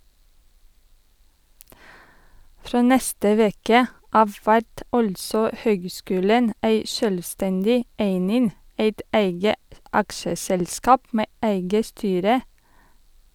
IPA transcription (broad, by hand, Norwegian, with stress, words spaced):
ˈfɾoː ˈnɛstə ˈʋeːkə ˈʔɑʋ ˈʋæɾt ˈɑltsɔ ˈhøːɡˌskʉːlən ˈæɪ ˈʃøːlʋˌstɛndɪ ˈæɪnɪn ˈæɪt ˈæɪɡə ˈɑkʃəsɛlˌskɑːp ˈmeː ˈæɪɡə ˈstyːɾə